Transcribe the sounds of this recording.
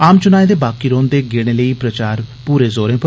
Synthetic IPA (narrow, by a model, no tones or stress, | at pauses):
aːmt͡ʃʊnaːeːd̪eːbaːkiːɾõːnd̪eːɡeːɽ̃eːləiːpɾət͡ʃaːɾpuːɾeːzoːɾẽːpə